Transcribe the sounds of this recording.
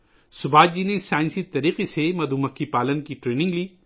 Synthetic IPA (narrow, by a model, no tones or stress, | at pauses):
sʊbaːd͡ʒinesaːɪ̃nsit̪ɐɾiːqesemɐd̪umɐkːipaːlənkiʈɾeːnɪ̃ŋɡliː